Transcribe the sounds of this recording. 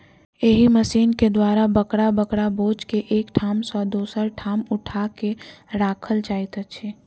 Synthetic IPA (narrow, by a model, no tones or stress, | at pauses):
eɦiməsiːnked̪waːɾabəkɽabəkɽaboːd͡ʒkeʔeːkʈʰaːmsɔːd̪oːsəɾʈʰaːmʊʈʰakeɾaːkʰəlt͡ʃaːit̪ət͡ʃʰeː